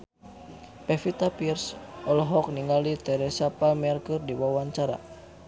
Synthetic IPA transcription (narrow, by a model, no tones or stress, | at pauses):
pɛfit̪apirsʔɔlɔɦɔk̚niŋalit̪ɛɾɛsapalmɛrkɨrdiwawaɲt͡ʃaɾa̰